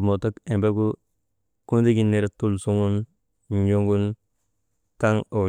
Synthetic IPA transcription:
mo˨ta˦ke˨mbe˦ku˦ | ku˦ndi˦ki˦ne˨ɾtu˦lsu˦ŋu˦n | ɲo˦ŋɡu˦n | ta˦ŋo˨

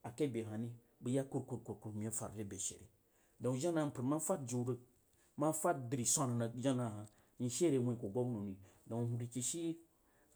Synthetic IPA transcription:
a˨ke˦˨be˨ɦa˨ni˦ | bɨ˦ja˦ku˦ɾku˨ɾku˨ɾku˨ɾmi˨a˦fa̰˨ɾd͡ʒe˦be˨ʃḛ˨ɾḭ˨ | dõ˨ŋ˨ʒa˦na˨pə˨ɾma˦fa˦t̚d͡ʒu˨˦ɾə˦k̚ | ma˦fa˦t̚di˨ɾi˨sʷa˦na˨na˨d͡ʒa˦na˨ɦa˨ | ɲi˨ʃe˦ɾe˨wẽ˨ko˨ɡo˦ɡno˨ni˨do˨hu˨ɾi˨ki˨ʃi˦

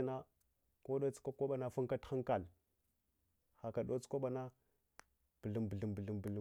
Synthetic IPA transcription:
na˦ | ko˦ɗo˦t͡skʷa˦ka˦ɓa˨na˦fa˦ŋka˦txa˦ŋka˨l | xa˨ka˨ɗo˦t͡skʷa˦ɓa˨na˦ | b̥ɮi˨mbə˨ɮi˨mbə˨ɮi˨mbə˨lə˨

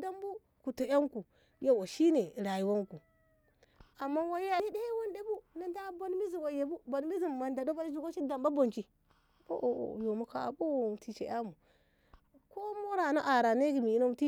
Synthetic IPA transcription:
da˦m˦bu˦ | ku˨to˨ja˦ŋku˨ | ja˦wo˨ʃi˦ne˨ɾa˨ji˨wo˦ŋku˨ | a˨mːa˦wa˦a˦de˦wo˦nde˦bu˦na˨nda˦bo˦n˦mi˦zi˨ɡo˨je˨bu˦bo˨n˦mi˦zi˦˨mma˨nda˨do˦ba˦zu˦ɡo˦ʃi˦da˨mba˦bo˨nt͡ʃi˨ | bo̰˦ʔo̰˨jo˨mu˦ka̰˦˨bo˦wo˨ti˨t͡ʃḛ˨ja˦mu˨ | ko˦mo˦ɾa˨na˦ʔa˨ɾa˨ne˦ɡi˨mi˨i˦no˦m˨ti˦

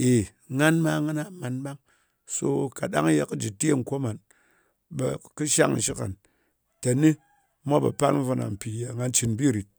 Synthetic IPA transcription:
e˨ | ŋa˦nma˦ŋa˦na˦ma˨nba˦ŋ | so˦ka˨ɗa̰˦ŋ˦je˦kɨ˦d͡ʒi˨te˦˨ŋ̩˨kʷo˦ma˨n | be˦kɨ˦ʃa˦ŋ̩˨ʃi˦ka̰˨n | te˨ni˦ | mʷ˦a˦bḛ˨pa˦lm̩˦vo˧na̰˨m̩˨pi˨ja˨ŋa˧n˦t͡ʃi˧nbi˦˨ɾi˨t̚

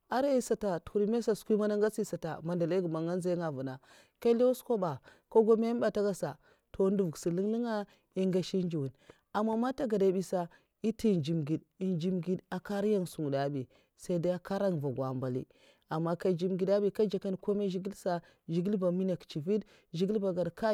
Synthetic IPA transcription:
a˦ɾa˦i˦sa˨ta˨tu̥˨u˨ɾi˦me˦sa˨skʷi˦ma˦na˦ŋɡa˦si˦sa˨ta̰˨ma˨nda˨la˦ɡu˨ma˨ŋa˦n˦za˦ŋa˨vu˨na˨ | ka˦li˦wa˦sko˦ba˨ko˦ɡo˦me˦ba˨ta˦ɡa˦sa˨ | to˨˦n˦du˨vu˨ksi˨li˦ŋli˦ŋa˦ | i˦ŋɡa˨ʃi˦n˦d͡ʒi˨wu˨n | a˨mːa˦ma˦ta˦ɡa˨da˨˦bi˦sa˦ | i˦ti˦˨nd͡ʒi˨mɡi˨d | i˨nd͡ʒi˦mɡi˦da˨ka˦ɾja˦ŋsu˨ŋ˨da˨˦bi˨ | sa˦i˦da˦a˦ka˦ɾa˦ŋ˨va˨ɡwa˨mba˨lḭ˦ | a˨mːa˦ka˦d͡ʒi˦mɡi˨da˦bi˨ka˦d͡ʒa˨ka˦n˨ko˦me˦ʒi˦ɡi˦lsa˦ | ʒi˨ɡi˦lba˨mi˦na˨kt͡ʃi˨vi˦d | ʒi˦ɡi˦lba˨ɡa˨dka˦

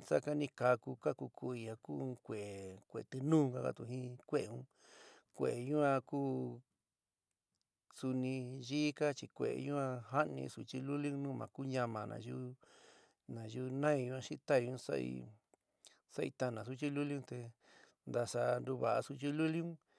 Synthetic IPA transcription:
sa̰˦ka˧nĩ˧ka˧ku˧ka˦ku˧kʰu˧i˧a˧ku˦˧kʷe˨kʷḛ˨t̪ɨ˧nũː˦˧ka˦ka̰˧t̪u˧ɦĩ˦kʷe˦e˧ũ˦ | kʷḛ˨ɲũ˦ã˧kuː˦ | su˧nĩ˧ʒiː˦ka˦t͡ʃi˧kʷḛ˨ḛ˨˧ɲũ˦ã˧ɦa˦nḭ̃˧su˧t͡ʃi˧lu˦lu˦nũː˦mã̰˨ku˦ɲã˧mã˨˧nã̰˨ju˦ | nã˨ju˦˧nã˦ĩ˧ɲũ˧˦a˧ʃi˦t̪a˦i˧ũ˦sa̰˦ḭ˧ | sa˦˧i˧t̪a˧nã˨s̬u˦t͡ʃi˦lu˦li˦ũ˦t̪e˧ | nd̪a˧ʂa˧nd̪u˧βa˨ʔa˧su˧t͡ʃi˦lu˦li˦ũ˦

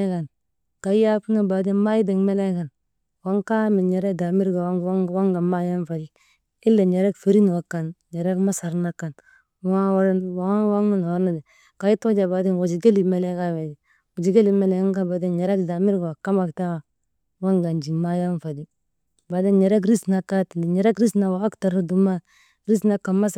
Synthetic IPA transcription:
ka˨n | ka˨˦ja˦ku˦na˦˨ba˨di˦nma˦ji˦de˨ŋme˦le˦ka˨n | wa˦ŋka˦mi˨ɲe˨ɾɛ˦da˨mi˦ɾɡa˨wŋ˦wa˦ŋɡa˨ma˦ja˦nfa˨d͡ʒi˦ | ɪ˦lːe˨ɲe˨ɾɛ˦kfe˨ɾi˦n˨a˨kːa˨nɲe˨ɾɛ˦kma˦sa˨ɾna˦kːa˨n | wa˦wa˦ɾwwa˦ŋna˦n˨wa˦na˦dɛ˨ | ka˨˦i˦to˦d͡ʒa˨ba˨˦di˦nwa˨d͡ʒi˨ɡe˦li˨mɛ˨lɛ˦ka˦me˨d͡ʒi˨ | wu˨d͡ʒi˨ɡe˦li˨mɛ˦le˨˦ŋ˦ɡa˦ba˨di˦nɲɛ˨ɾɛ˦kda˨mi˦ɾɡa˨wa˨ka˦ma˨kta˦w | wa˦ŋɡa˨nd͡ʒi˨ma˦ja˦nfa˨d͡ʒi˦ | ba˨di˦nɲɛ˨ɾɛ˦k̬ɾi˦sna˨ka˦ti˨ni˨ɲɛ˨ɾe˦kɾi˦sna˨wa˨a˦kta˨ɾa˦du˨ma˦ | ɾi˦sna˦ka˨nma˦s

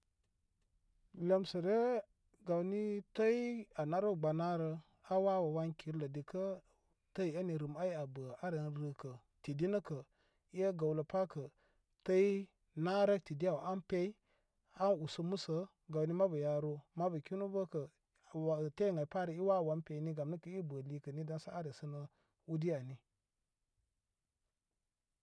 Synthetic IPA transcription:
lə˨msə˨ɾe˦ | ɡa˨wni˦tə˦i˦a˨na˦ɾo˦˨ɡ͡ba˨na˦ɾə˦ | a˦wa˦wa˨wa˦ŋki˨ɾlə˨di˨kə˦ | tə˦i˨a˦ni˨ɾɨ˨ma˦i˦a˨bə˨a˦ɾə˨nɾə˨kə˨ | ti˨di˦nə˦kə˨ | i˦jə˦ɡa˨wlə˨pa˦kə˨ | tə˦i˦ | na˦ɾə˦k̚ti˨di˦ja˨wʔa˦npe˦i˦ | a˦nu˨sə˦mu˦sə˦ | ɡa˨wni˦ma˦bə˨ja˨ɾo˦ma˦bə˨ki˦nu˦bə˦kə˨ | wa˨te˦˨ŋa˨i˨pa˦ɾə˨i˦wa˦˨wa˨˦mpe˨˦ni˦ɡa˨mnə˦kə˨i˦bə˨li˦kə˨ni˦da˦nsa˦a˦ɾə˨sə˦nə˦ | u˦di˦ja˨ni˦

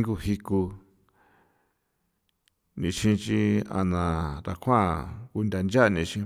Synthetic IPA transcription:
ŋɡu˧hi˧ku˧ | nĩ˧ʃĩ˧t͡ʃi˧a̰˧nã˨ɾa˧kʰã˦˨ku˧nd̪ʲa˧nd͡ʒa˦˧nĩ˧t͡ʃĩ˧

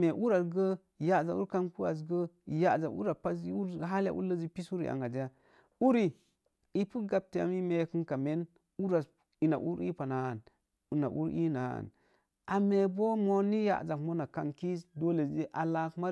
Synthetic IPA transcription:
me˨ʔu˦ɾa˨ɡə˦˨ | ja˨za˨u˦ɾka˦nku˦a̰˨s̬ɡə˦˨ | ja˨za˨ṵ˦ɾa˨pa˦su˦ɾɦa˦lja̰˨˦ʔṵ˦lə˦zi˦pi˦su˦ɾḭ˨ʔa̰˨ŋa˨d͡ʒi˦ja˦ | u˦ɾi˨ | i˦pu˦ɡa˨b̚te˨a̰˨mi˦me˦kɨ˦nka˨me˦n | u˦ɾa˨s | i˨na̰˨ʔṵ˦ɾḭ˦pa˨na˨n˨ | na˨ʔṵ˦ɾḭ˦na˨a̰˨n | a˨me˨bo˦mo˦ni˦ja̰˨ʔza˨kmo˦na˨ka˦nki˦sdo˦le˨˦e˦ʔa˨la˦kma˦

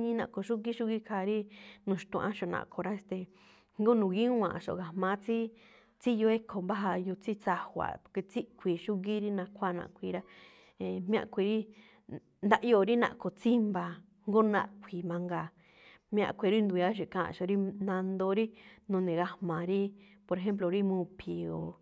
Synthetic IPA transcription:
ɲĩ˦nã˧˨ko˧˨ʃu˦ɣi˦ʃu˦ɣi˦kʰa˧ɾi˦nũ˧ʃt̪ũ˧ʔã˧˦ʃo˧˨nã̰˧˨kʰo˧˨ɾa˦e˧st̪e˧ | ŋɡo˦nũ˧ɣi˦ũ˦ã˨ʔʃo̰˧˨ɣa˧mã˧˦t͡si˦ | t͡si˦jo˧˦e˦kʰo˨mba˦ɦa˧ju˧t͡si˦t͡sa˧hʷa̰˨po˧ke˧t͡si˦ʔkʷi˧˨ʃu˦ɣi˦ɾi˦nã˧kʷa˦˧˨nã̰˧ʔkʷi˧ɾa˦ | e˧mĩ˦ã̰˧˨kʷi˧ɾi˦ | nd̪a˦ʔo˧˨˧ɾi˦nã̰˧ʔko˨t͡si˦mba˧ | ŋɡo˦nã̰˧ʔkʷʰi˨mã˧ŋɡa˧˨ | mĩ˦˧ã̰˧˨kʷi˧ɾi˦nd̪u˧ja˦ʃ̬e˧˨kã˧˦ã̰˧˨ʃo˧˨ɾi˦nã˧nd̪o˧˦ɾi˦nũ˧nẽ˨ɣa˧hmã˨ɾi˦po˧ɾe˧ɦe˦mp̬lo˧˨ɾi˦mũ˧˦pʰi˨o̰˨

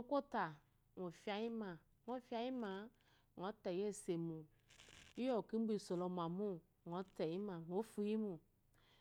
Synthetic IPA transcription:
ŋo˦ko˦t̪a˨ | ŋo˨fi˦a˨ji˦mã˨ | ŋo˦fi˦a˨ji˦mã˨ | ŋ˨ɔ˨˦t̪ɛ˨je˦˨se˨mũ˨ | i˦jɔ˦˨ki˦bi˦˨so˨lɔ˨m˨a˨mũ˦ | ŋ˨ɔ˨˦tɛ˨ji˦mã˨ŋ˨o˦fu˨ji˦mu˨

